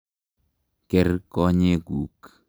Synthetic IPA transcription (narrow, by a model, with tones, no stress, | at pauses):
ke˨rkɔ˦ɲe˦ɡu˨k